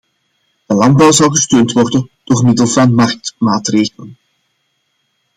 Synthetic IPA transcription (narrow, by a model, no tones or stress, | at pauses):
d̥əlɑnd̚bɑwzɑlˠɣəstøːntʋɔrdənd̥oːrmɪdəlˠvɑnmɑrk̚tmaːtreːɣələn